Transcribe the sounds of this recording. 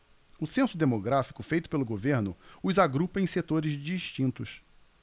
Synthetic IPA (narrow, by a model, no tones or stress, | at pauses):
ʊsẽsʊd̪emoɡɾafi̥kʊfejt̪ʊ̥pelʊɡoveɾnʊʊzaɡɾupɐẽset̪oɾɪzd͡ʒiʃt͡ʃĩnt̪ʊs